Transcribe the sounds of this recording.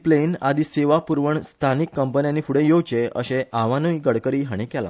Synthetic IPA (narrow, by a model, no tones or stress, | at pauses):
plena̰d̪ʱiːseʋapuɾʋəɳst̪ʰanikːəmpənjãnːiːfʰuɽẽjowt͡ɕeə̰ɕẽʔaʋanuiɡəɽkəɾiːɦaɽ̃ikɛla̰